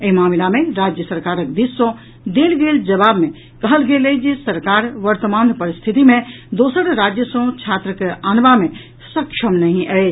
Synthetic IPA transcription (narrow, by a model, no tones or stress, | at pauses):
əimaːmilamẽɾad͡ʒjəsəɾkaːɾək̚b̪isõ | d̪eːlɡeːld͡ʒɐβaːbmẽ | kəɦəlɡeled͡ʒesəɾkaːɾʋəɾt̪əmaːnpəɾist̪ʰit̪imẽd̪oːsəɾɾad͡ʒjəsə̃t͡ʃʰat̪ɾəkeaːnʋamẽ | səkʃʰəmnəɦĩʔɛe